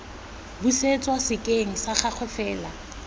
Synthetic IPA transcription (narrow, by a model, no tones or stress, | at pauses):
buset͡sʼwasɪkʼeŋ̩saχak͡xʰwɛfɛːla